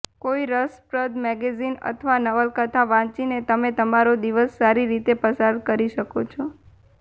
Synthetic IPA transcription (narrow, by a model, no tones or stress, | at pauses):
koiɾəspɾəd̪mɛɡezinə̰t̪ʰəʋanəʋəlkət̪ʰaʋãt͡ʃinet̪əmet̪əmaɾod̪iʋəsːaɾiɾit̪epəsad̪kəɾiʃəkot͡ʃʰɔ